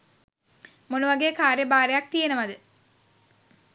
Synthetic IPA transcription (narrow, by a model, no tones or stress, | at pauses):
monuʋaɡeːkaːɾjəbaːɾejak̚t̪ijenəʋɐd̪ɨ